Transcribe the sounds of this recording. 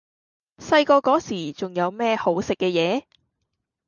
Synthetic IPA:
sɐ˧jkɔː˧kɔː˨˥siː˨˩t͡sʊ˨ŋjɐ˨˧wmɛː˥ho˨˥wsɪ˨kːɛː˧jɛː˨˧

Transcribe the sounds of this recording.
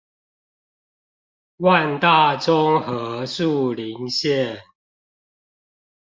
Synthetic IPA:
wa˥˨nt̪a˥˨ʈ͡ʂɔ˦ŋhɤ˨˦su˥˨li˨˦ŋɕjɛ˥˨n

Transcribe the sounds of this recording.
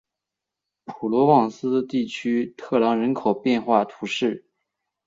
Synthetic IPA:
pʰu˨˩lwɔ˧˥wɑ˨˩ŋsɹ̩˥t̪i˥˩t͡ɕʰy˥t̪ʰɤ˥˩lɑ˧˥ŋɻə˧˥nkʰo˨˩ʊpjɛ˥˧nxwa˥˩t̪ʰu˧˥ʂɻ̩˥˩

